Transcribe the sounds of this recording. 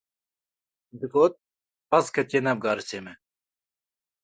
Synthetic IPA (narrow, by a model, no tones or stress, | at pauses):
d̪ɨkoːt̪̚ | pɐskʰɐt͡ɕeːnɐb̚ɡaːɾɨseːmɛ